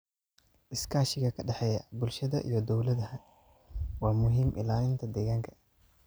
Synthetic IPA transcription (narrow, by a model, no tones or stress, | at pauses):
ʔɪskʰaːʃɪɣɐkʰɐɖɑħɛjɐbʊlʃɐðɐʔḭjɞd̪ɔwlɐðɐhɐ | wɑːmʊɦiːmʔɪ̰laːɪnt̪ʰɐd̪ɛɣaːŋkʰɐ